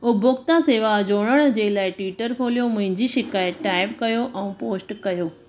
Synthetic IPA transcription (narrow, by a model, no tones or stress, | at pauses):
ʊbʊkt̪ãseːʋad͡ʑoːɽ̃əɽ̃̆d͡ʑeːlaːɪʈwiːʈəɾkʰoːlijomʊ̃ɦɪ̃ɲd͡ʑiʃɪkaːjətːaːɪpkɐjoʔɛ̃ũpoːsʈkɐjoː